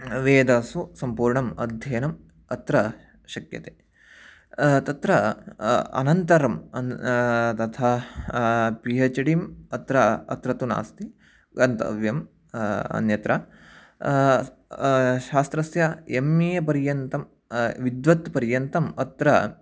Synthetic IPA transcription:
ʋeːd̪ɐsusɐmpuːɾɳɐmɐ̰d̪ʱjɐːnɐm | ɐt̪ɾɐ | ʃɐkjɐt̪eː | t̪ɐt̪ɾɐ | ɐ̰nɐnt̪ɐɾɐmɐ | t̪ɐt̪ʰaː | piɦɐt͡ʃɐɽimɐt̪ɾɐɐ̰t̪ɾɐt̪una̰ːst̪i | ɡɐnt̪ɐ̰ʋjɐm | ɐ̰njɐt̪ɾɐ | ʃaːst̪ɾɐsjɐemijɐpɐɾjɐnt̪ɐm | ʋid̪ʋɐt̪pɐɾjɐnt̪ɐmɐt̪ɾɐ

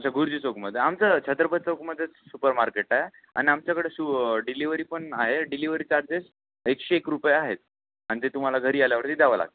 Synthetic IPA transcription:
amt͡ɕaɡʱuɾd͡ʑiːt͡sokməd̪ʱjeamt͡sət͡ɕʰət̪ɾəpət̪̚t͡sokməd̪ʱjet͡ssupəɾmaɾkeʈaɦe | a̰ɽ̃iamt͡ɕjakəɽesuɖiliʋəɾiːpəɳaɦeɖiliʋəɾiːt͡ɕaɾd͡zes | ekɕeːkɾupəjeaɦet̪̚ | anit̪et̪um̤alaɡʱəɾiːaljaʋəɾt̪iːd̪aʋəla̰ɡ̚t̪ə

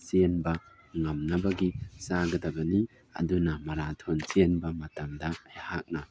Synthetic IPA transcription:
sienbɐ | ŋamnɐbɐɡisaɡɐdɐbɐni | ɐ̰dunɐmɐɾatʰonsenbɐmɐtɐmdɐːjhak̚nɐ

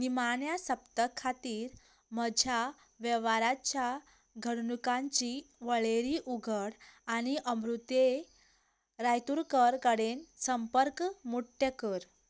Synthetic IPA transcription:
nimaɳjasəpt̪əkʰːat̪iːɾ | məd͡ʑʱja | ʋəʋaɾat͡ɕja | ɡʱəɽɳukãɲt͡ɕiʋəɭeɾiʔuɡʱəɽaɽ̃iʔəmɾut̪e | ɾajt̪uɾkəɾkəɽensəmpəɾkmuʈːjəkəɾ

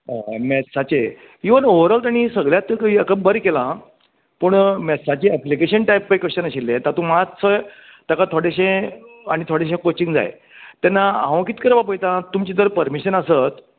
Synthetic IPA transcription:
əmɛsat͡ɕe | iʋənoʋəɾəlt̪aɽ̃isəɡɭjat̪əkəbəɾkelã | pəɳmɛsat͡ɕeəplikeɕənʈajpːajkəɕənəɕilːẽt̪at̪ũmat͡sʰə | t̪əkat̪ʰoɽeɕẽaɽ̃it̪ʰoɽeɕẽkot͡ɕiŋd͡za̰j̰ | t̪ɛnːaãʋkit̪kəɾʋapəjt̪ãt̪umt͡ɕit̪əɾpəɾmiɕənəsət̪

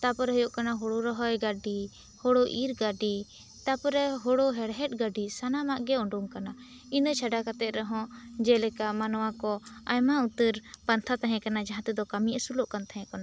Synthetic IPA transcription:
t̪apɔɾɛɦɔjɔʔkanaɦɔɽɔɾɔɦɔjɡaɖi | hɔɽɔʔiɾɡaɖi | t̪apɔɾɛɦɔɽɔɦɛɽɦɛʈ̚ɡaɖisanamaʔɡɛɔɳɖuŋkana | inət͡ʃʰaɖakat̪ɛt̪̚ˀɾɛɦɔ̃d͡ʒɛlɛkamanwakɔajmaut̪əɾpant̪ʰat̪aɦɛ̃kanad͡ʒaɦãt̪ɛd̪ɔkamiʔəsulɔʔkant̪aɦɛ̃kɔna

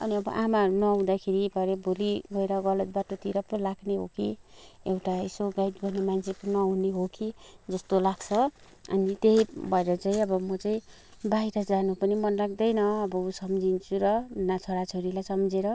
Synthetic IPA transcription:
ʌ̰niʌbʌ̰ʔamaʌɾunʌaw̃d̪akʰeɾibʱʌɾeboliɡʌeɾʌɡʌlʌt̪̚baʈot̪iɾʌpːʌlaɡneɦo̰kiewʈaisoɡajʈɡʌrnemant͡sʰepʌnʌuneɦokid͡zʌst̪olaɡt͡sʰʌ | ʌ̰nit̪eɦibʱʌeɾʌt͡saĩʌbʌmʌt͡saĩ | baiɾʌd͡zanupʌnimʌnlaɡ̚d̪ʌjnʌːbʌusʌmd͡zint͡sʰuɾʌnat͡sʰoɽat͡sʰoɾilajsʌmd͡zeɾʌ

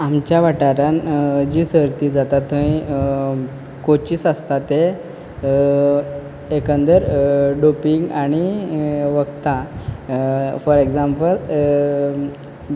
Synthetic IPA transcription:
amt͡ɕjaʋaʈaɾãnd͡ʑisəɾt̪iːd͡zat̪at̪ːəĩ | kot͡ɕiːsast̪at̪e | ekə̃nd̪əɾɖopiŋɡaɽ̃iʋəkt̪ã | fɔɾeɡd͡zampəl

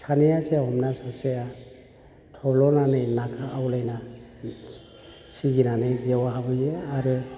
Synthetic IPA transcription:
sanejasejaɦɔmnasaseja | tʰɔblɔnanɯjnakʰaːwlajna | siɡinanɯjziawaɦabɯjeaɾɯ

